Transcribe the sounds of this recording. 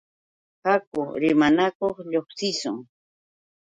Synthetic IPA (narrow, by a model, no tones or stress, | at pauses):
hakʊɾɪmanakoχʎoχsɪsʊŋ